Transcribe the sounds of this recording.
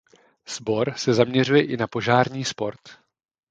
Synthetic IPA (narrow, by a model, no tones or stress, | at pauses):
z̥bo̞ɾsɛzamɲɛrujɛʔɪnapo̞ʒaːɾɲiːspo̞ɾt̪